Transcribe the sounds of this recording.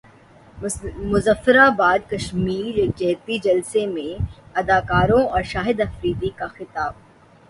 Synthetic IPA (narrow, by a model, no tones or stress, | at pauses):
mʊzəfːɪɾabaːd̪kɐʃmiːɾeːk̚d͡ʒɛːt̪id͡ʒɐlsemẽɐd̪aːkaːɾõɔːɾʃaːɦɪd̪ɐfɾiːd̪ikaxɪt̪aːb̚